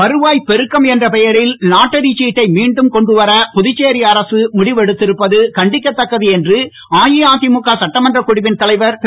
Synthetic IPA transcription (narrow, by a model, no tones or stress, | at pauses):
ɐɾɯʋaːjpɛɾɯkːɐmɛndrɐpɛjɐɾɪlnaːʈːɐɾit͡ʃːiːʈːɐɪmiːɳɖɯmkɔɳɖɯʋɐɾɐpʊðɪt͡ʃːeːɾɪɐɾɐsɯmʊɽɪʋɛɽɯt̪ːɪɾɯpːɐðɯkɐɳɖɪkːɐt̪ːɐkːɐðiɛndrɯ | aːjɪjaːt̪ɪmukːasɐʈːɐmɐndrɐkʊɽɪʋɪnt̪ɐlɐɪʋɐɾp